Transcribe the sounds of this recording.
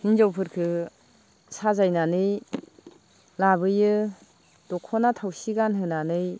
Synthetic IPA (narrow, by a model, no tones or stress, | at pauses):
hinzawpʰɯɾkʰɯ | sazajnanɯj | labɯjɯ | d̥ɔkʰɔnatʰawsiɡanɦɯnanɯj